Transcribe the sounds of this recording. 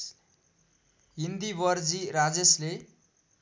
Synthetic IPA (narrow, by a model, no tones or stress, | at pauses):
ɦind̪ibʌrd͡ziɾad͡zesle